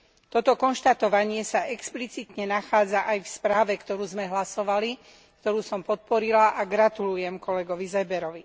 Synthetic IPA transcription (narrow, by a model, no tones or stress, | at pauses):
t̪ɔt̪ɔkɔnʃt̪at̪ɔʋaɲɪɛsaʔɛksplit͡sit̪ɲɛnaxaːd͡zaʔajfspɾaːʋɛkt̪ɔɾuːzmɛɦlasɔʋali | kt̪ɔɾuːsɔmpɔt̪̚pɔɾilaʔaɡɾat̪ulujɛmkɔlɛɡɔʋizɛbɛɾɔʋi